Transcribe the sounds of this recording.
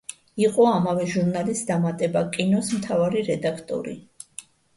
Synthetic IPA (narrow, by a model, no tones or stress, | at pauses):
iqʼɔamavɛʒuɾnalisd̪amat̪ʼɛbakʼinɔsmt̪ʰavaɾiɾɛd̪akʰt̪ʼɔ̰ɾḭ